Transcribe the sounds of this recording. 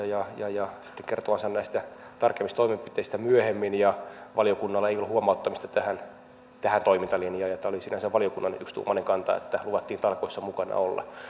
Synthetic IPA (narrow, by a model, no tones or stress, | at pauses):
jɑjɑjɑsi̥t̪ːeŋkert̪oʋɑnsɑnnæist̪æt̪ɑrkemːist̪oimempit̪eist̪æmyøhemːinjɑʋɑlijokunːɑlːɑeijolːuhuomɑut̪ːɑmist̪ɑt̪æhæn | t̪æhænt̪oimint̪ɑlinjɑːjɑt̪ːæːolisinæseʋʋɑlijokunːɑnykst̪ṵːmɑneŋkɑnt̪ɑ̰ḛt̪ːæluʋɑt̪ːiːnt̪ɑlkoisːɑmukɑnɑ̰olːɑ̰